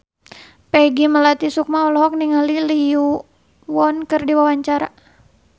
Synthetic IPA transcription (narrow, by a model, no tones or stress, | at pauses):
peɡiməlat̪isuk̚maɔlɔɦɔk̚niŋaliliu | wɔnkɨrdiwawaɲt͡ʃaɾa